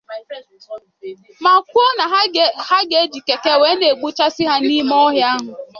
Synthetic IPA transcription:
ma˨kʷu˦o˦na˨ha˦ɡe˨˦d͡ʒi˨ke˨ke˦we˨˦ne˨ɡ͡bu˦t͡ʃa˦sɪ˦ɦa˦ni˦mɔ˦ɦja˦ɦʊ˨

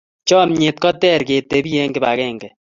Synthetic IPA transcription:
t͡ʃɔ˦mɲe˨t̪̚kɔ˦tɛ˦˨ɾke˨t̪e˨bi˦je˦ŋɡɪ˨ba˨kɛːŋɡɛ

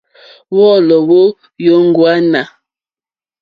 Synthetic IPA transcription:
wɔ˦lɔ˨wo˦ | jo˦ŋ̩˦ɡwa˦na˨

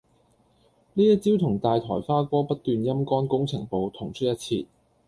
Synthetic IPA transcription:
niː˥jɐ˥t̚t͡siː˥wt̪ʰʊ˨˩ŋt̪aː˨jt̪ʰɔː˨˩jfaː˥kʷɔː˥pɐ˥t̚t̪yː˨˧njɐ˥mkɔː˥nkʊ˥ŋt͡sʰɪ˨˩ŋpo˨˧wt̪ʰʊ˨˩ŋt͡ʃʰɵ˥t̚jɐ˥t̚t͡sʰiː˧t̚

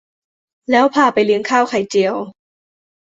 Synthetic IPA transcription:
lɛː˦˥wpʰaː˧˩pa˨jlɯ˧˦əŋkʰaː˥˩wkʰa˨˩jt͡ɕi˨˩əw

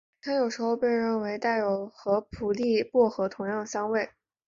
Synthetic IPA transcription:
t̪ʰa˥jo˨˩ʊʂɻ̩˧˥xo˥˧ʊpe˥˧ɪɻə˥˩nwe˧˥ɪt̪a˥˩ɪjo˨˩ʊxɤ˧˥pʰu˨˩li˥˧pwɔ˥˩xɤ˧˥t̪ʰʊ˧˥ŋjɑ˥˩ŋ˩ɕjɑ˥ŋwe˥˩ɪ

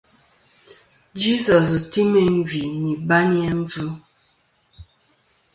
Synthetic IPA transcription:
d͡ʒi˦sɔ˨s̬ti˦me˨ɱ̩˦vi˨ni˨ba˦njɛ˦ɱ̩˦vu˦

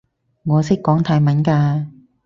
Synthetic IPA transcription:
ŋɔː˨˧sɪ˥kːɔː˨˥ŋt̪ʰaː˨˧jmɐ˨˥nkaː˧

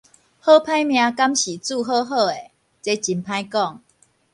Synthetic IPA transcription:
hɤ˦pʰã˦jmj̃ã˧ka˦mɕi˨˩t͡su˥˧˨ɦɤ˥˧ɦɤ˥˧e˨˩ | t͡se˦t͡ɕi˧npʰã˦jkɔ˥˨ŋ

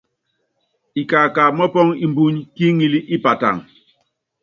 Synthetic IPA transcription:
i˨kaː˨ka˨mɔ˦pɔ˦ŋi˨mbu˦ɲki˦ŋi˦li˦ʔi˦pa˨ta̰˨ŋ

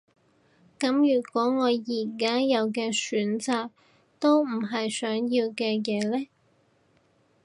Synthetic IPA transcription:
kɐ˨˥mjyː˨˩kwɔː˨˥ŋɔː˨˧jjiː˨˩kaː˥jɐ˨˧wkɛː˧syː˨˥nt͡saː˨˧k̚ | t̪o˥wm̩˨˩ɦɐ˨jsœː˨˥ŋjiː˧wkɛː˧jɛː˨˧lɛː˥

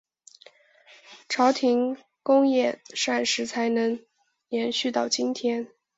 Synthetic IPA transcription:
ʈ͡ʂʰɑ˧˥ʊt̪ʰi˧˥ŋ | kʊ˥ŋjɛ˥˩nʂa˥˩nʂɻ̩˧˥t͡sʰa˧˥ɪnɤ˧˥ŋ | jɛ˧˥nɕy˥˧t̪ɑ˥˩ʊt͡ɕi˥nt̪ʰjɛ˥n

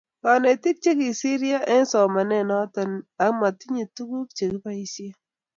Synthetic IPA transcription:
ka˨ne˨ti˦k̚t͡ʃe˦ki˨si˦ɾja˦ʔɛ˦nsɔ˨ma˨nɛ˦˨nɔ˦ta˨na˨kma˨ti˦ɲi˨tu˦ku˦k̚t͡ʃe˨ki˦pa˦i˦sje˦

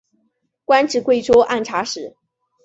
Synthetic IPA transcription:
kwa˥nʈ͡ʂɻ̩˨˩kwe˥˩ɪʈ͡ʂwɔ˥ʔa˥˩nʈ͡ʂʰa˧˥ʂɻ̩˨˩˦

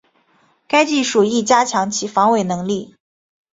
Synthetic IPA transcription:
ka˥ɪt͡ɕi˥˩ʂu˨˩i˥˩t͡ɕja˥t͡ɕʰjɑ˧˥ŋt͡ɕʰi˧˥fɑ˧˥ŋwe˨˩ɪnɤ˧˥ŋli˥˩

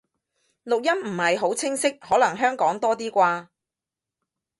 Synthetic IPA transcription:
lʊ˨k̚jɐ˥mm̩˨˩hɐ˨jɦo˨˥wt͡sʰɪ˥ŋsɪ˥k̚hɔː˨˥lɐ˨˩ŋɦœː˥ŋkɔː˨˥ŋt̪ɔː˥t̪iː˥kʷaː˧

